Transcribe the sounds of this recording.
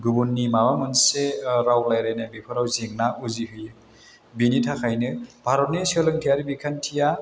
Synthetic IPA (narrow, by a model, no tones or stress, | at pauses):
ɡubunːimabamɯnseɾawlajɾajnabipʰɯɾawzeŋnauziɦɯjɯ | binitʰakʰajnɯb̥ʰʱaɾɔnisɯlɯŋtʰijaɾibikʰantʰija